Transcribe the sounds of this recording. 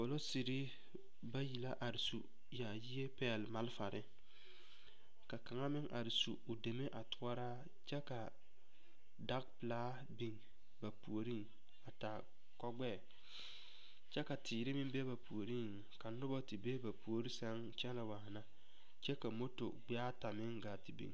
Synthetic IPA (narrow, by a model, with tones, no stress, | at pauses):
po˨lo˦si˨ɾi˦ | ba˦ji˨la˦ʔa˨ɾɪ˨su˨ | ja˨ji˦e˦pɛ˦˨lma˦lfa˨ɾʔɪ˦ | ka˨ka˨ŋa˦mɪ˦ŋʔa˨ɾɪ˨sṵ˨o˨de˨me˦ʔa˨tʊ˦a˦ɾa˦ | t͡ʃɛ˦ka˨ | da˦k̚pɪ˨laː˦ | bi˨ŋ | ba˨pu˨o˨ɾi˦ŋ | a˨ta˨ | kɔ˦ɡ͡bɛː˦˨ | t͡ʃɛ˦ka˨tʰiː˨ɾɪ˦mɪ˦m˦be˦ba˨pu˨o˨ɾi˦ŋ | ka˨nʊ˦bɔ˦tɪ˨be˦ba˨pu˨o˦ɾi˦sa˦ŋ | t͡ʃɛ˦la˨waː˨na˦ | t͡ʃɛ˦ka˨mo˦to̰˨ɡ͡bɪ˦a˦ta˨mɪ˦ŋɡaː˨tɪ˨bḭ˨ŋ˨